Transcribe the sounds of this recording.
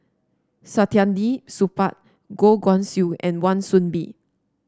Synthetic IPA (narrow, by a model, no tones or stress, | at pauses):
satiãndisupat̚ | ɡoɡɔ̃nsjuɛ̰̃nwãnsũnbḭ